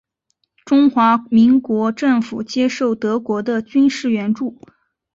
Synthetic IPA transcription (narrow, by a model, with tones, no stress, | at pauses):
ʈ͡ʂʊ˥ŋxwa˧˥mi˧˥ŋkwɔ˧˥ʈ͡ʂɤ˥˩ŋfu˨˩t͡ɕjɛ˥ʂo˥˩ʊt̪ɤ˧˥kwɔ˧˥d̪ə˧t͡ɕy˥nʂɻ̩˥˩ɥɛ˧˥nʈ͡ʂu˥˩